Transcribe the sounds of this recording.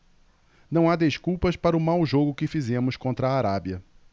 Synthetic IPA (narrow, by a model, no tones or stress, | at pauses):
nɐ̃w̃ad̪eskuwpɐspaɾɐʊmawʒoɡʊkɪfizẽmʊskõnt̪ɾɐaːɾabjɐ